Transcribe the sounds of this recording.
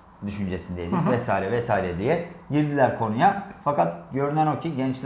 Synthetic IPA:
d̪yʃynd͡ʒesind̪ed̪ivɛsaːiɾɛvɛsaːiɾɛd̪ijɛɟiɾd̪ilʲæɾkʰo̞nujafakat̪ɟø̞ɾynæno̞cʰiɟɛnt͡ʃlʲ

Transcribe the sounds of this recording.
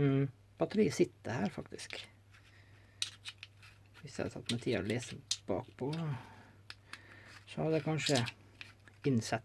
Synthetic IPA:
pʰɑt̪ʰɾiːsɪt̪ːəhæːɾfɑkt̪ɪsk | ʋɪsjæɪhɑɾt̪ʰɑt̪ːmɛt̪ʰiːɑ̰ɾɔleːsəb̥ɑ̰ːkpʰɔ | sɔɑd̪ɛkʰɑnʃʂə | ɪnsɛt̪

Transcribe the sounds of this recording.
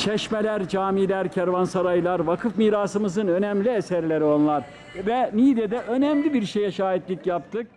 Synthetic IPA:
t͡ʃʰɛʃmelʲæɾd͡ʒaːmilʲæɾcʰæɾvansaɾajlˠaɾvakʰɯfmiːɾaːsɯmɯzɯnø̞nɛmlʲiesæɾlʲeɾio̞nlˠaɾ | vɛniːd̪ɛd̪ɛʔønɛmlʲibiɾʃejɛʃaːɦit̪lʲicjap̚t̪ʰɯk̚

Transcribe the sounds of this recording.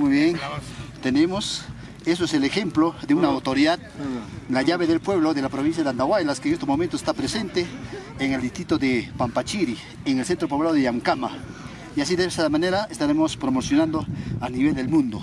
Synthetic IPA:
mujβjeŋt̪enemos | esoeselexemploðeunaːwt̪oɾiðað | laʝaβeðelpwe̞βloðelapɾoβins̬jaðand̪aɣwajlaskeŋest̪omo̞mẽnt̪oest̪apɾesent̪eː | ŋeld̪ist̪ɾit̪oðepampat͡ʃiɾi | eŋelsent̪ɾopoβlaoðeaŋkama | ias̬iðeesaðmaneɾaest̪aɾemospɾomosjonãnd̪oaniβeld̪elmũnd̪o

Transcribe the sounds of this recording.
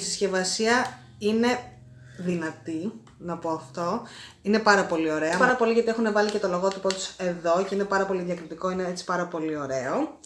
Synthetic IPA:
isisçe̞vɐsiɐ | ine̞ | ðinɐt̪i | nɐpo̞ɐft̪o̞ine̞pɐɾɐpo̞lio̞ɾe̞ɐpɐɾɐpo̞liʝɐt̪ie̞xune̞vɐlice̞t̪o̞loɣo̞t̪ipot̪use̞ðo̞ce̞ine̞pɐɾɐpo̞liðjɐkɾit̪iko̞ineet͡si̥pɐɾɐpo̞lio̞ɾe̞o̞

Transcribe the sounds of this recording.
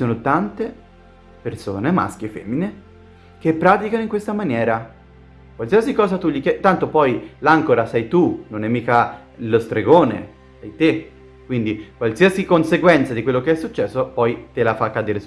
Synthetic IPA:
soːnot̪ant̪e | perso̰ːnema̰skefɛmːine | k̟epːɾaːt̪̬ikanoiŋkwest̪amanjɛːɾa | kwalsiasikɔːzat̪uʎikjɛt̪ant̪opɔjlaŋkoɾasɛjt̪unonɛmːiːka | lost̪ɾeɡoːnḛ | sɛjt̪e | kwind̪ikwalsiːasikonseɡwɛnt̪sad̪ikwelːokeɛsːut͡ʃːɛsːopɔjt̪elafakːad̪eːɾe

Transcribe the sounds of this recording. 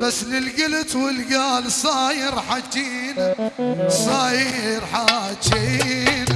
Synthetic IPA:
basːlɪlɡɪlt̪wɪlɡaːlsˤɑːjɪɾħat͡ʃːiːn | sˤɑːjɪɾħat͡ʃiːn

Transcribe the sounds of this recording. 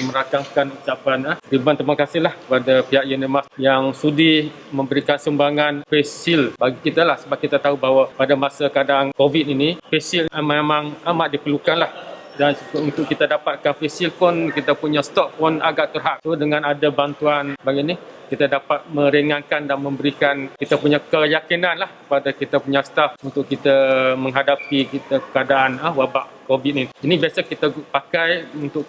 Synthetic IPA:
məɾakaŋkanut͡ʃapanədibant̪əmakasɪɦlahkəpadapiɦaʔjunimasjaŋsudi | mə̃mbəɾikansəmbaŋanfɛsɪlbaɡikit̪alahsəbap̚kit̪at̪aubawapadamasakadaŋkovit̪̚inifɛsiləmemãŋamaʔ̚dipəlukanlah | danskunt̪ʊʔkit̪adapat̪̚kanfɛsilpʊnkit̪apuɲast̪ɔp̚pɔna̰ɡaʔt̪ərɦaʔ̚t̪udəŋãnadabant̪uanbaɡiʔnikit̪adapat̪̚mə̃ɾiŋãnkandanmə̃mbəɾikankit̪apuɲakəjakinanlahkəpadakit̪apuɲast̪afunt̪ʊʔkit̪amə̃ŋɦadapikit̪akadaʔanəwabaʔkobit̪̚niinĩbiasakit̪apakajunt̪ʊʔ

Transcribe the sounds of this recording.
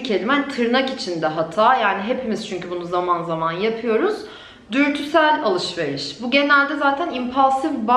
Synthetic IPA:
cʰelʲimɛnt̪ʰɯɾnakit͡ʃʰind̪ɛɦat̪ʰaːjaːniɦe̞pʰimiz̥t͡ʃʰyɲcybunuzamanzamanjapʰɯjo̞ɾuz̥ | d̪yɾt̪ʰysælʲalˠɯʃve̞ɾiʃbuɟe̞nælʲd̪ɛzaːt̪ʰænimpʰalˠsifba

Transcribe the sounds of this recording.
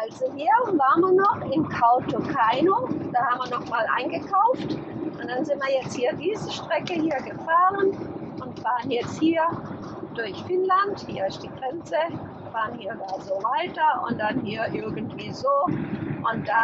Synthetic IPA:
ʔʔalzoɦiːɐvaːʁənviːɐnɔχɪmkʰaʊtokʰaɪnod̥aːhaːbmviːɐnɔχmaːlʔa̰ɪnɡəkʰaʊft | ʔʊntd̥anzɪntviːɐjɛt͡sthiːɐdiːzəʃtʁ̥ɛkəhiːɐɡəfaːʁənʔʊntv̥aːʁənjɛt͡sthiːɐ | d̥ʊɐçfɪnlanthḭːɐɪst̚d̥iːɡ̥ʁɛnt͡səv | vaːʁənhiːɐvalzovaɪtɐʊ̰nt̚d̥anhiːɐʔɪɐɡn̩tv̥iːzoːʔʊntd̥a

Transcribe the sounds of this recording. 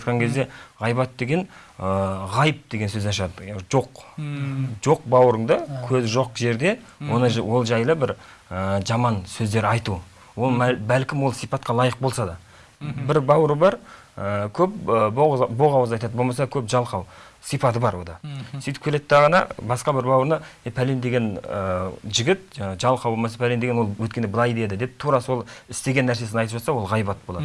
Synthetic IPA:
qɑŋkʲʰe̞zd̪e̞ʁɑjbɑt̪̚d̪e̞ɡʲe̞n | əʁɑjəp̚d̪̥e̞ɡʲe̞nsɵzenʃɑd̪əʒo̞q | ʒ̥o̞q̚bɑwɾəɴd̪əkʲʰɵzʒo̞qʒe̞ɾd̪e̞ | wo̞nəwo̞lˠʒɑjlˠəbɪɾ | əʒɑmɑnsɵzd̪e̞ɾɑjt̪u | wo̞lˠmbælkʲɪmwo̞lˠsijpɑt̪qɑlˠɑjəq̚bo̞lˠsɑd̪ɑ | bɪɾbɑwɾəbɑɾ | əkʲʰɵp̚əbobo̞ʁɑwəzɑjt̪ɑd̪əbo̞lˠmɑs̬ɑkʲʰɵpʒɑlˠqʰɑw | sijpɑt̪əbɑɾwo̞d̪ɑsijt̪ɪ̥pkʲʰelet̪ːɑʁɑnɑ̰bɑsqɑbɪɾbɑwəɾnɑepʰælend̪e̞ɡʲe̞nəʒɪɡʲɪt̪̚ʒɑlˠqʰɑwbolˠmɑs̬ɑpʰælendeɡʲewowɵt̪kʲe̞nebəlˠɑjd̪e̞d̪ɪd̪e̞p̚t̪ʰuɾɑso̞lˠɪst̪e̞ɡʲe̞nːæɾse̞s̬ɪnɑjt̪əpʒɑt̪sɑwo̞lˠʁɑjbɑt̪̚bo̞lˠɑd̪ə

